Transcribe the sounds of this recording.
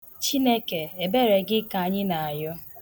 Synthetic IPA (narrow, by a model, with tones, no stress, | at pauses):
t͡ʃi˦ne˦ke˨e˨be˦ɾe˨ɡɪ˦ka˨a˨ɲɪ˦na˨a˨jɔ˦